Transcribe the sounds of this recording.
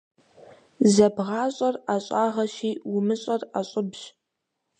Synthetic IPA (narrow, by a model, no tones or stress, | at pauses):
zɐbʁɑːɕʼɐraɕʼaːʁɐɕiːwʊmɨɕʼɐraɕʼʊbʒ